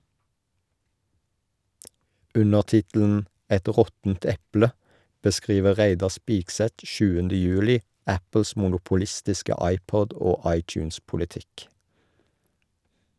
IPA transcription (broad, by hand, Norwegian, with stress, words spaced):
ˈʉnəʁ ˈtɪtl̩n̩ ˈɛt ˈʁɔtn̩t ˈɛplə bəˈskʁiːʋə ˈʁæɪdɑ ˈspiːɡˌsɛt ˈʃʉːəndə ˈjʉːlɪ ˈæpl̩s mʊnʊpʊˈlɪstɪskə ˈɑɪˌpɔd ˈoː ˈɑɪˌt͡ʃʉːnspʊlɪˌtɪk